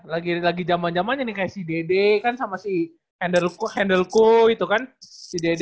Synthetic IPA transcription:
laɡilaɡid͡ʒamand͡ʒamanɲanikajaʔsidedekansamasi | hɛndəlkhɛndəlkuit̪ukansided

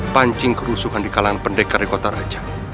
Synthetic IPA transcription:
paɲt͡ʃɪŋkəɾusuɦandikalaŋanpəɳɖɛkːaɾikot̪aɾad̥ʒ̥ḁ

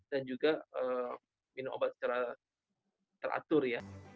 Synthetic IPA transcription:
d̥and͡ʒuɡaəm | minʊmʔo̰bat̪̚sə̥t͡ʃaɾa | t̪əɾʔa̰t̪ʊrja

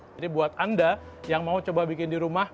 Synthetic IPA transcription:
dibuat̪anda | jaŋmaut͡ʃobabikɪndiɾumah

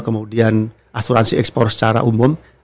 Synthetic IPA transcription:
kəmudian | ʔasuɾansiɛkspɔrsə̥t͡ʃaɾa̰ʔumʊm

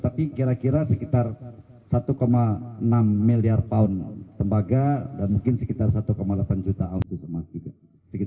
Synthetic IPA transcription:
t̪apikiɾakiɾasəkit̪ar | sat̪ukomaənamːiliart̪aʊnt̪əmbaɡadanmuŋkɪnsəkit̪arsat̪ukomalapand͡ʒut̪aːʊnsisəmast̪ika | səki

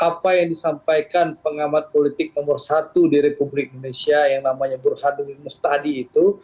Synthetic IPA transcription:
ʔapajaŋdisampajkanpəŋamat̪̚polit̪ɪk̚nomʊrsat̪udiɾepublɪk̚indonesiajaŋnamaɲabərhaduŋdimɔst̪adiːt̪u

